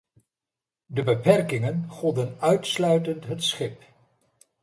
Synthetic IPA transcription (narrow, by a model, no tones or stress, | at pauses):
dəbəpɛrkɪŋənχɔdənœɥtslœɥtəntɦətsχɪp